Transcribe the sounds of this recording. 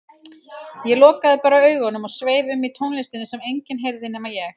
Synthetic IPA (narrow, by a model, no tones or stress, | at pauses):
jɛlɔːkaðɪpaːɾaœːɥɣɔnʏmɔɣsveːjðʏmːit̪ʰownlest̪ɪnɪsɛmejɲcɪnɦejɾðɪnɛːmajɛx